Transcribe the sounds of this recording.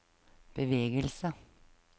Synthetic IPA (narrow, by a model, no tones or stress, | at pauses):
b̥əʋeːɡəlsə